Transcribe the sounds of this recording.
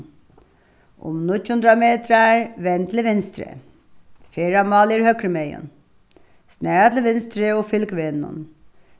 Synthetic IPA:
ʊ̰mnʊcʊnd̪ɾameːt̪ɾaɹʋɛnt̪lɪʋɪnst̪ɾḛ | feːɾɑmɑːliɾhœkɾəmejʊ̰n | snæːɹat̪ləʋɪnst̪ɾeoːfʏlkʋenːʊ̰n

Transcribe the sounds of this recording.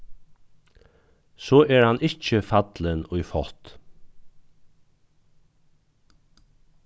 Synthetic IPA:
sɔːʔɛɹhanɪt͡ʃəfat̪lənʊjfɔt̪

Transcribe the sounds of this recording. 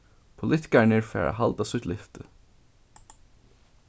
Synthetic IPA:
pʰʊlɪt̪ɪ̥kanɪɹfɛ̰ːɹʔa̰ɦalt̪asʊt̪lɪft̪ə

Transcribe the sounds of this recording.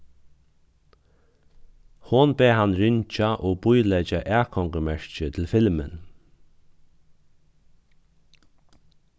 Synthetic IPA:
hʊnbeːɦanːɹɪɲt͡ʃaʔoːbʊjlɛt͡ʃaʔæːkʰɔŋkəmɛɹt͡ʃət̪ʰɪlfɪlmən

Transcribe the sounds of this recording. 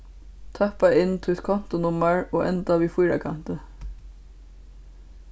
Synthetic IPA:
t̪ʰœhpaɪnːt̪ʰʊt̪kʰɔn̥t̪ʊnʊmaɹoːʔɛ̰nt̪aʋiːfujɾa̰kʰan̥t̪ə

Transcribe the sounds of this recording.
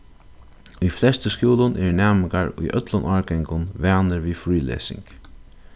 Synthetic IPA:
ujflɛst̪əskjuːlʊnʔɛɹnæːmɪkaɹṵjʔœ̰t̪lʊnʔɔːɹɡɛŋkʊnʋæːnəɾʋiːfɹiːlḛːsɪ̰ŋk

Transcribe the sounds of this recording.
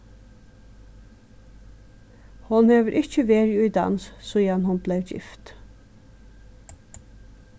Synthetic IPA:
hʊnhøːʋəɾʔɪçəʋeːɾjʉid̪ɑ̰nssɔːjɑnhʊnbleːʋd͡ʒɪ̰ft̪

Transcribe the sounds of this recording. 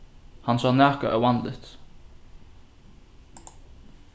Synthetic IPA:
hansaːnɛːhkaʔɛ̰wanlɪ̰ht̪

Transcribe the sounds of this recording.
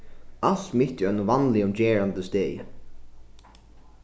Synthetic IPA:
alt̪mɪht̪əœnʊvanlɪʊmd͡ʒɛːɹant̪əst̪eːjə̰

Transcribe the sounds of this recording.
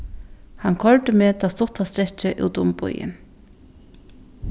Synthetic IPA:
hankʰɔɹʈ̪ɪmeːt̪ʰaːst̪ʊt̪ast̪ɾɛt͡ʃːɪʔṵːt̪ʊmpʊ̰jɪ̰n

